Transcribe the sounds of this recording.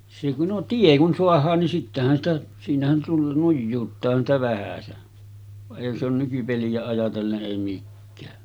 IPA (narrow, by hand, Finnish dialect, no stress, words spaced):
se ku no tie kun soɑhˑɑːn nin sitːæhæn sitæ siːnæhæn tulːɑn nujːuːtːɑːhɑn sĭtæ ʋæhæsen ʋɑʔ ʔeˑihæn se on nykypeliæ ɑjɑtelːeʔ ʔeˑi mikːæː